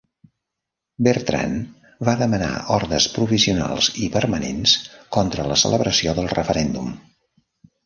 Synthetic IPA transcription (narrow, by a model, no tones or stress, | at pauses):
bərt̪ɾa̰n | baðəməna̰ɔɾðəspɾufisiuna̰lˠzipəɾmənenskɔnt̪ɾələsələβɾəsioðəlˠrəfəɾɛnd̪um